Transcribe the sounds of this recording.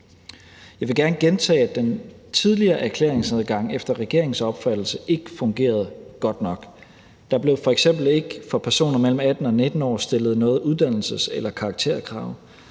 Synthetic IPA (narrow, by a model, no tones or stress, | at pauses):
jɑ̈ɪʋe̝ɡ̥æɐnəɡ̥ent͡sʰɛ̰ːæ̥en | t͡sʰiðˠliɐːʔæɐkʰlḛɐ̰eŋsæðˠɡ̥ɑ̈ŋ̰efd̥ɐʁɛɡ̥e̝ɐ̰e̝ŋ̩sɒ̽b̥fæd̥l̩səʔe̝ɡ̥əfɔ̽ŋɡ̥e̝̰ːɐð̞̩ˠɡ̥ɒ̽d̥nɒ̽ɡ̥ | d̥ɑ̈b̥le̝ʊfɒ̽eɡ̥sem̰b̥l̩e̝ɡ̥fɒ̽pʰæɐso̝̰ːnɐmel̰m̩æd̥n̩ɒ̽ne̝d̥n̩ɒ̰ːsd̥e̝lð̞̩ˠnɔ̽ːð̩ˠuðˠd̥æn̰l̩səselɐkʰɑ̈ɡ̥̚t͡sʰe̝̰ɐkʰʁɑ̈ʊ̰